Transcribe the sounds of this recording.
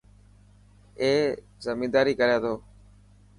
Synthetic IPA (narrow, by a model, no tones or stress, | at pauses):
eː | zəmiːd̪aːɾiːkəɾjãːt̪ʰoː